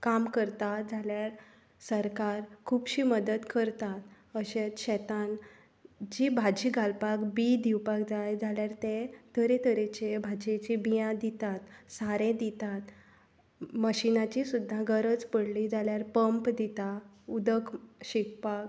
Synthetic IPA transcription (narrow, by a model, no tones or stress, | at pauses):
kamkəɾt̪ad͡zʱaljaɾ | səɾkaɾkʰuːpɕiːməd̪ət̪kəɾt̪at̪ | əɕet͡sɕɛt̪an | d͡ʑibʱad͡ʑiɡʱalpakbid̪iwpakd͡zajd͡zʱaljaɾt̪ẽt̪əɾet̪ʰəɾet͡ɕebʱad͡ʑet͡ɕibijãd̪it̪at̪saɾẽd̪it̪at̪ | məɕinat͡ɕisud̪ʱːaɡəɾəd͡zpəɽlid͡zaljaɾpəmpd̪it̪a | ud̪əkɕik̚pak